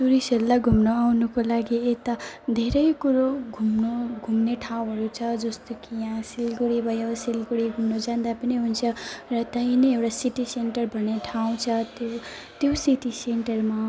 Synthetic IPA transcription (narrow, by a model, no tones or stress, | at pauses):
suɾiseɾlaɡʱumnoawnukolaɡiet̪ad̪ʱeɾʌjkuɾoɡʱumnoɡʱumneʈʰaw̃ɦʌɾut͡sʰʌd͡zʌst̪okijãsilɡuɽibʱʌjosilɡuɽiɡʱumnod͡zãnd̪apʌniɦunt͡sʰʌrʌt̪ʌĩnʌjewɽasiʈiseɳʈʌrbʱʌneʈʰaw̃t͡sʰʌt̪ot̪josiʈiseɳʈʌrma